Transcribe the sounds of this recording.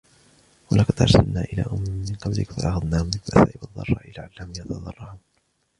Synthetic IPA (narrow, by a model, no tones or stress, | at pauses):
walaːkqɑd̪ʔɑ̰ɾˤsalnaːʔɪla̰ːʔʊmːɪːɪnqɑblɪkfaʔɑxɑðˤnaːhʊmːɪlbʔsaːʔɪbɑðˤːɑ̰rˤːɑ̰ːʔɪlaːʕalːaʊmjɑt̪ɑðˤɑrˤːɑʕuːn